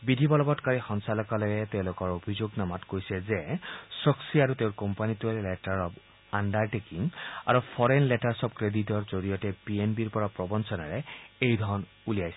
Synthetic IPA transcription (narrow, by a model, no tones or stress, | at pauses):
bidʱibɔlɔbɔtkaɹixɔnsalɔkalɔjɛteʊ̃lʊkɔɹobʱizoɡnamatkojsɛzɛsɔksiaɹuteʊ̃ɹkɔmpanituɛllɛtaɹɔb | andaɹtekiŋa̰ɹupʰɔɹɛnlɛtaɹsɔb̚kɹeditɔɹzoɹijɔtɛpienbiɹpɔɹapɹɔbɔnsɔnaɹɛejdʱɔɹɔn | ulijajsɛ